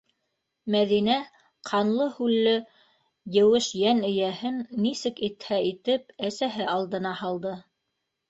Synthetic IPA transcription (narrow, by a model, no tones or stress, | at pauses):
mæðinæ | qʰɑnlˠɤhʉlːɘ | jɘ̆wɘʃjænɘ̆jæhɘnːisɘkit̪hæit̪ɘp̚æsæɦɘɑlˠd̪ɤ̆nɑhɑlˠd̪ɤ